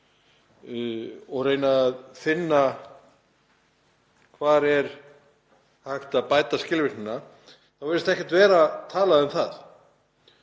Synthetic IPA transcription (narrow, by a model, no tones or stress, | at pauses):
ɔɣreːjnaðfɪnːa | kʰvaːɾɛɾ̥ | hajxt̪aðpaːjt̪ascɪlvɪɾnʏna | θawvɪɾɪst̪ɛhcɛ̥t̪vɛːɾat̪ʰaːlaðʏmθað